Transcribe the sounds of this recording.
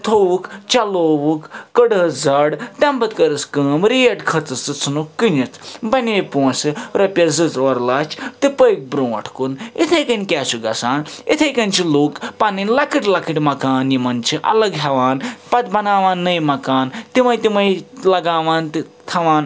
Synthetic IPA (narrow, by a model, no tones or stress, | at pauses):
t̪ʰoʋukt͡ʃɐloːʋukːəɖəd͡zɐɖt̪ɐmbɐt̪kɐɾɨskɐːmɾijɐʈkʰɐt͡sɨt͡sɨt͡sʰɨnukːɨnit͡sʰbɐneːpuːsɨɾɐpʲɐzɨt͡soːɾlaːt͡ʃʰt̪ɨpəjk̚bɾõːɐ̰ʈʰkunit̪ʰɐjkɐnʲkʲaːsuɡɐsaːnit̪ʰɐjkɐnt͡ʃʰiloːkpaninlɐkiʈlɐkʰiʈmɐkaːnjimɐnt͡ʃʰiʔɐ̰lɐɡɦɐʋaːnpɐt̪bɐnaːʋaːnːɐjmɐkaːnt̪imɐjt̪imɐjlɐɡaːʋaːnt̪i | t̪ʰɐʋaːn